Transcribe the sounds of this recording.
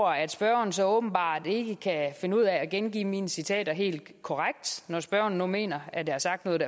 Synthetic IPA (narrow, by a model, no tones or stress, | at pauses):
ɐæd̥sb̥ɶɐn̩sɒ̽ɔ̽ːb̥n̩b̥ɑ̰̈ːd̥e̝ɡ̥əkʰæfe̝nəuð̞̰ˠɛɒɡ̥enɡ̥ḭːmiːnəsit͡sʰɛ̰ːd̥ɐɦe̝̰ːld̥kʰɒʁaɡ̥̚d̥nɒsb̥ɶɐ̰n̩ːume̝̰ːnɐædd̥eæsɑ̈ɡ̥d̥nɔ̽ːðˠd̥æ